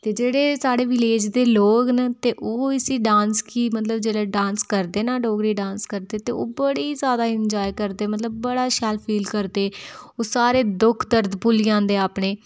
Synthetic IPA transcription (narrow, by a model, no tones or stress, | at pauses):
t̪eːd͡ʒeːɽeːsaːɽeːʋɪleːd͡ʒd̪eːloːknat̪eːʔoːɪsiːɖãːnskiːmət̪ləbd͡ʒeːleːɖãːnskəɾd̪eːnaːɖoːɡɾiːɖãːnskəɾd̪eːt̪eːo̰ːbəɽiːzjaːd̪aːɪɲd͡ʒaːjkəɾd̪eːmət̪ləbːəɽaːʃɛːlpʰiːlkəɾd̪eːoːsaːɾeːd̪ʊkʰd̪əɾd̪pʊliãːnd̪eːaːpɳeː